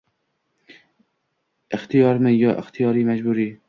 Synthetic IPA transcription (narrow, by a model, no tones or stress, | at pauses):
ɪxt̪ijɑːɾməjɑːʔɪxt̪ʰijɑːɾiːmæd͡ʒbuːɾiː